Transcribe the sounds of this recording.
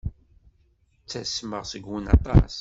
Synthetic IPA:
t͡sːæsməʁsəɡwənɑ̰t̪ˤɑ̰s

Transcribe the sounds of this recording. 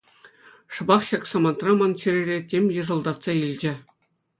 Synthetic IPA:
ʂɤ̆bɑχɕɑksɑmɑnt̪rɑmɑnt͡ɕĭɾʲeɾʲetʲemʲjɤ̆ʐɤ̆lˠd̪ɑt̪sɑilʲd͡ʑɘ̆

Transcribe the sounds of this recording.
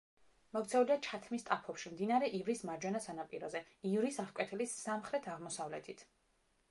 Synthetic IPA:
mɔkt̪sʰɛuliat͡ʃʰat̪ʰmist̪ʼapʰɔpʃimd̪inaɾɛʔivɾismad͡ʒwɛnɔsanapʼiɾɔzɛ | ivɾisaʁkʼwɛt̪ʰɛlisːamχɾɛt̪ʰaʁmɔsavlɛt̪ʰit̪ʰ

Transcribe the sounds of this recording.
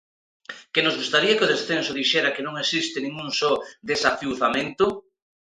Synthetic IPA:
kenozɣust̪aɾiɐkɪoðesθensʊðiʃɛɾɐkenõŋesist̪ɪnĩŋuŋsɔd̪esafiwθamẽnt̪ʊ

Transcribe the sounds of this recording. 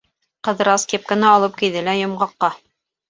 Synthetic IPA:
qɤ̆ðɤ̆ɾɑskʲep̚kɘ̆nɑɑlˠɤp̚kiðɘlæjŏmʁɑqːɑ

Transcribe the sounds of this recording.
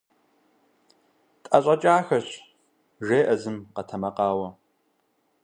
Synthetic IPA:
tʼɐɕʼɐt͡ʃʼaːxɐɕ | ʒeːʔɐzɨmqɐtʰɐmɐqɑːwɐ

